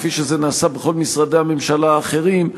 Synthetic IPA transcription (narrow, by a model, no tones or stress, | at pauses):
fiʃeze̞naːsabeχo̞lmisʁad̪e̞hame̞mʃalaːχe̞ʁim